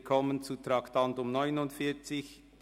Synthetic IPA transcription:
kʰɔmənt͡sutɾɑktʰɑntʊmnɔʏnʊntfɪːt͡sɪç

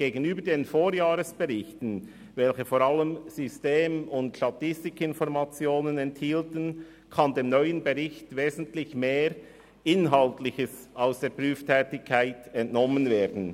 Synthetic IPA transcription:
ɡ̥eːɡənyːbədeːnfoːɾjaːʁəsb̥əʁɪçtn̩ | vɛlçəfoːɾʁɑləmz̥ysteːmʊntʃtatɪstɪkɪnfɔɾmat͡sjoːnənɛnthiːltən̩ | kʰɑndeːmnœʏənbəʁɪçtveːzn̩tlɪçmeːɾ | ɪnɦɑltlɪçəs | aʊsd̥eːɐpʁyːftʰɛːtɪkʰːaɪtɛntnɔmənveːdn̩

